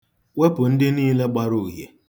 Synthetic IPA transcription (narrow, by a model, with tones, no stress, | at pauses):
we˦pʊ˨n̩˦dɪ˦niː˦le˦ɡ͡ba˦ɾu˦˨ɦjḛ˨